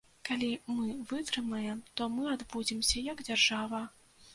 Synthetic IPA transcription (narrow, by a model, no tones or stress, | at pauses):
kalʲimɨvɨt̪ɾɨmɐjɛmt̪ɔmɨad̪bud͡zʲimsʲɐjɐɡd͡zʲarʐavɐ